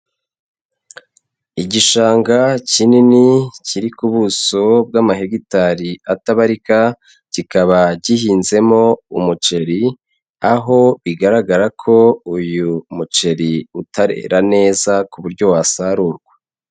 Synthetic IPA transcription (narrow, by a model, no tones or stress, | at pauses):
iɟiʃaːŋɡacininiciɾikuβuso̞b̚ɡaːmaheɡitaɾiataβaɾika | ɟ̥ikaβaɟihiːnze̞mo̞umut͡ʃe̞ɾi | aɦo̞βiɡaɾaɡaɾakʰo̞ujumut͡ʃe̞ɾiutʰaɾḛɾane̞ːzakuβuɾɟo̞wasaɾuːɾɡwa